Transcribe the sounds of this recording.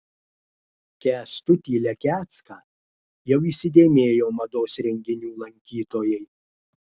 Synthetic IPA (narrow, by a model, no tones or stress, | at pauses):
kʲæːst̪ʊt̪ʲiːlʲɛkʲæːt̪skɑː | jɛʊiːsʲɪd̪ʲeːmʲeːjoːmɐd̪oːsɾʲɛŋʲɡʲɪnʲuːlˠɐŋʲkʲiːt̪oːjɛɪ